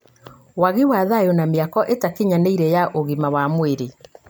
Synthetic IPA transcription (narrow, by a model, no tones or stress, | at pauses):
waɣiwaðajonameakɔʔetakeɲaneiɾɛjaʔoɣimawamweɾe